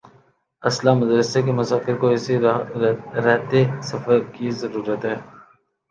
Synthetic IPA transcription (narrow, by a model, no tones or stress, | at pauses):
ɐslaːmʊd̪ɾəsekemʊsaːkɪɾkoɛːsi | ɾɛɦt̪esɐfəɾkizɐɾuːɾət̪ɦɛː